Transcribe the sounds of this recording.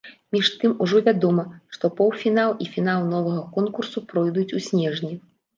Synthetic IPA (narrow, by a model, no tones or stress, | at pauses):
mʲiʂt̪ɨmuʐɔvʲad̪ɔmɐʂt̪ɔpɔwfʲinalˠifʲin̪alˠnɔvɐɣɐkɔnkursupɾɔjd̪ut͡sʲusʲnʲɛʐnʲi